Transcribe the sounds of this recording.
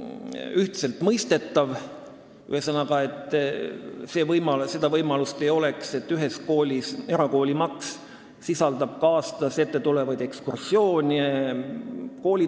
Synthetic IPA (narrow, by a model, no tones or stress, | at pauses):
yht̪se̞lt̪mɤjst̪e̞t̪ːˑɑv | y̰hesɑnɑɡɑe̞t̪ːˑ | se̞ːvɤjmɑlse̞d̪̥ɑvɤjmɑlust̪ejo̞le̞kse̞t̪ːyɦe̞sko̞ːlʲise̞ɾɑko̞ːlʲimɑksː | isɑld̪̥ɑb̥̚kɑːst̪ɑse̞t̪ːe̞t̪ulevɑd̪̥e̞kskursjo̞ːnʲi | ko̞ːlʲi